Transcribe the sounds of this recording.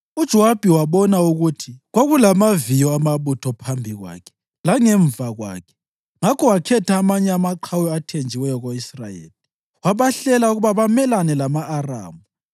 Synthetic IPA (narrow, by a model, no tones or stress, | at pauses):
ud̥ʒ̥ʱɔwab̥ʱiwaβɔnauɣutʰiɣwaɣulamavijɔamaβutʰɔpʰambʱiɣwa̰kʰɛ̥ | laŋɛɱvʱaɣwa̰ːkʰɛ̥ | ŋakʰɔwakʰɛtaːmaɲɛamaǃʰawɔatʰend͡ʒʱiwɛjɔɣoisrajḛːli | waβaɬɛlauɣuβaβamɛlanɛlamaʔːra̰ːmu